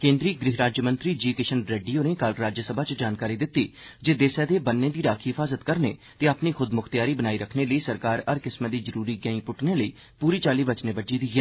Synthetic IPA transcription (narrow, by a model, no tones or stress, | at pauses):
kẽːnd̪ɾiːɡɾɪɦɾaːd͡ʒjəmə̃nt̪ɾiːd͡ʒiːkɪʃənɾeːɖiːoːnẽːkalɾaːd͡ʒjəsəbaːt͡ʃd͡ʒaːnkaːɾiːd̪ɪt̪ːiːd͡ʒeːd̪eːsɛːd̪eːbənːeːd̪iːɾaːkʰiːɪfʰaːzət̪kəɾnḛːt̪eːapniːxʰʊd̪mʊxt̪ijaːɾiːbənaːiːɾəkʰneːləiːsəɾkaːɾəɾkɪsməd̪iːzəɾuːɾiːɡɛːĩːpʊʈneːləiː | puːɾiːt͡ʃaːliːbət͡ʃneːbəd͡ʒiːd̪iːɡɛː